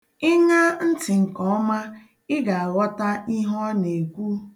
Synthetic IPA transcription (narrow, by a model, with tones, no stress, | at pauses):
ɪ˦ɲa˦n̩˦tɪ˨ŋ̩˨kɔ˦ɔ˦ma˦ | ɪ˦ɡa˨a˨ɣɔ˦ta˦i˦ɦɔ˦ne˨kʷu˦